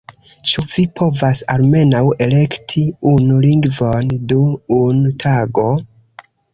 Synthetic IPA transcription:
t͡ʃuvipʰo̞vasa̰lme̞nawe̞le̞ktʰiunuliŋɡvo̞nduːntʰaɡo̞

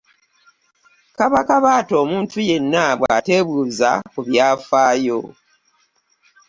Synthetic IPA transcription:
kaβakaβaːto̞ːmuːntʰuje̞nːaβwa̰ːte̞βuːza̰kuβjaːfaːjo̰

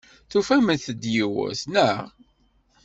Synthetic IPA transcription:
θufæmənθəd̪jiwæ̰θnæ

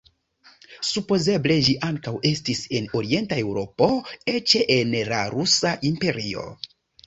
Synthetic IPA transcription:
supo̞ze̞ble̞ʒiʔaŋkawe̞stise̞no̞ɾie̞ntae̞wɾo̞po̞e̞t͡ʃe̞ʔenlaɾusaʔimpe̞ɾio̞̰

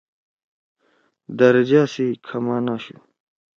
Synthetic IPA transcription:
d̪ɐɾɐd͡ʑaːsikʰɐmaːnaːɕṵ

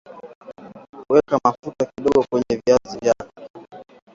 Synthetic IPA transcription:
kuwɛkamafutakiɗɔɡɔkwɛɲɛviazivjakɛ

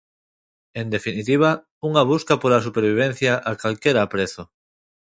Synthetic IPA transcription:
end̪efinit̪iβ̞a | uŋaβ̞uskapoɾas̬upeɾβ̞iβ̞ẽnθjaʔakalkeɾaːpɾeθo

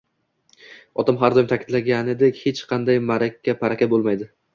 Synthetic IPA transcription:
ɒt̪ʰamɦaɾd̪ɒjmt̪ʰakʲʰɪd̪laɡʲanɪd̪ekʲhet͡ʃqʰɑnd̪ajmaɾakʲʰːapʰaɾakʲabolˠmajd̪ɪ

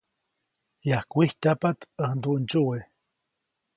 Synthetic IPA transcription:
jahkʷiht̪ʲapat̪əhnd̪uʔnt͡ʃuwe

